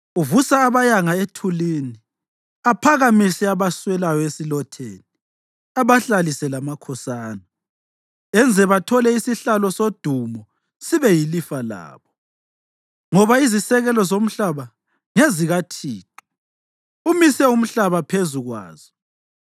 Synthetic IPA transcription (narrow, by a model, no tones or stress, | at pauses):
uvusaːβajaŋaetʰulini | apʰaɣamisɛaβaswɛlajɔesilɔtʰḛni | aβaɬalisɛlamakʰɔsaːna | ɛnd͡zʱɛβatʰɔlɛisiɬalɔsod̥ʱumɔ | siβɛjilifala̰ːβɔ | ŋɔβaizisɛɣɛlɔzom̩ɬaβa | ŋeziɣatʰiːt̚ʰʼu̥ | umisɛum̩ɬaβapʰezuɣwa̰ːz̥ɔ